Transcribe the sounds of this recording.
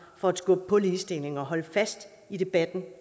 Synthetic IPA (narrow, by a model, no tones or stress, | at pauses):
fɒ̽æ̥sɡ̥ɔ̽b̥əpʰɒ̽liːsd̥e̝le̝ŋɒ̽ɦɒ̽ləfæsd̥ | id̥e̝b̥æd̥n̩